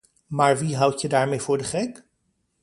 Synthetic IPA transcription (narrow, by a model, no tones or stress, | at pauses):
maːɹʋiɦʌwtjədaːɹmejvʊːɹdəχɛk